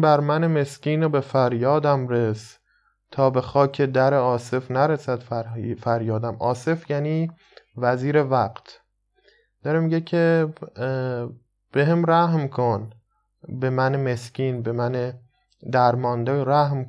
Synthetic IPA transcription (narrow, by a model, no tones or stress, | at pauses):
bæɾmæneme̞sciːnobe̞fæɾjɒːd̪æmɾes | t̪ʰɒːbe̞xɒːcʰe̞d̪æɾeɒːse̞fnæɾesæd̪fæfæɾjɒːd̪æmɒːse̞fjæːniː | væziːɾe̞væqt̪ʰ | d̪̥ɒɾemiɟecʰe | b̥eɦemɾæɦmkʰon | be̞mæneme̞sciːnbemæne | d̪æɾmɒːnd̪eɾæhm